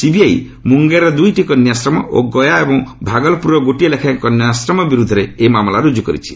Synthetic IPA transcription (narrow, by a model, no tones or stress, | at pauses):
sibiaj | muŋɡeɾɔd̪ujʈikɔnjasɾɔmɔ̰o̰ɡɔjaebɔŋbʱaɡɔlpuɾɔɡoʈielekʰaŋkɔnjɔsɾɔmɔbiɾud̪ʱːɔɾeemamlaɾud͡ʒukɔɾḭt͡ʃʰi̥